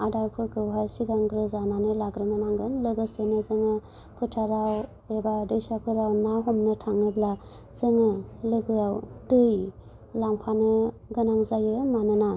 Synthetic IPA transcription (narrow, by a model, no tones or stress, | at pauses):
adaɾkʰuɾkʰɯɦajsiɡaŋɡɾɯzananɯlaɡɾɯnɯmaŋɡɯnlɯɡɯsenɯzɯŋɯ | kʰɯtʰaɾaw | ebadɯjsakʰɯɾawnaɦɔmnɯtʰaŋɯbla | zɯŋɯlɯɡɯjawdɯj | laŋpʰanɯ | ɡɯnaŋzajɯmanɯna